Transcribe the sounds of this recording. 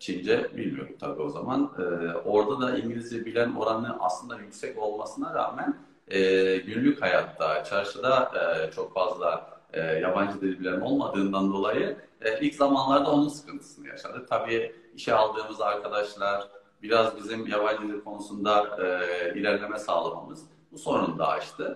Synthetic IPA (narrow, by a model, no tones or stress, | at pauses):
t͡ʃʰind͡ʒɛbḭlʲmijo̞̰ɾumt̪ʰabio̞za̰manɯːo̞ɾd̪ad̪aʔiɲɟilʲizebilʲæno̞̰ɾanɯʔa̰slˠɯnd̪ajycsɛco̞lˠma̰sɯnaɾa̰ːmæn | ɛːɟynlʲychaja̰t̪ʰːat͡ʃʰaɾʃɯd̪at͡ʃʰo̞kfazlˠaɯːjaband͡ʒɯd̪ʲiebilʲæno̞̰lˠmad̪ɯːnd̪and̪o̞lˠajɯilʲczamanlˠaɾd̪ao̞nunsɯ̥kʰɯnt̪ʰɯ̥sɯnaja̰ʃa̰d̪ɯt̪ʰabiːiʃɛalˠd̪ɯːmɯzaɾkʰad̪aʃlˠaɾ̥ | biɾazbizimjaβand͡ʒɯlikʰo̞nusund̪aɯilʲæɾlʲe̞mɛsaːlˠama̰mɯz̥ | buso̞ɾund̪a̰a̰t͡ʃt̪ʰɯ